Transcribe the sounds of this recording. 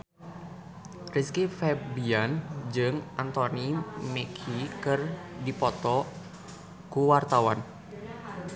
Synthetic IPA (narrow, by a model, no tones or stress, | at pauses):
riskifɛbiand͡ʒɨŋant̪ɔnimekʰikɨrdipɔt̪ɔ | kuwart̪awan